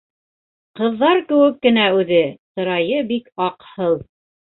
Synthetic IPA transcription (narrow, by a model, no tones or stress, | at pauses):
qɤ̆ðːɑɾkɘ̆wɘkːɘ̆næʉðɘt̪ɤ̆ɾɑjɤbikɑqhɤlˠ